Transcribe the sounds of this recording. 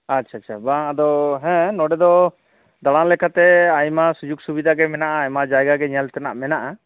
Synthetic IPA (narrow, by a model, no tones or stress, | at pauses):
atːt͡ʃʰaatːt͡ʃʰabaŋad̪ɔɦɛ̃nɔɖɛd̪ɔ | d̪aɽãlɛkʰat̪ɛajmasud͡ʒuɡsubid̪ʱaɡɛmɛnaʔajmad͡ʒajɡaɡɛɲalt̪ɛnaʔmɛnaʔa